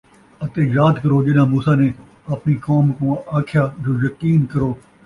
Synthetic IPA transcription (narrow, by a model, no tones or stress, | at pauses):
ət̪eːjaːd̪kəɾoːd͡ʒɪnãːmuːsaːneː | ɐpniːkɔːmkõːaːkʰjaːd͡ʒoːjəkiːnkəɾoː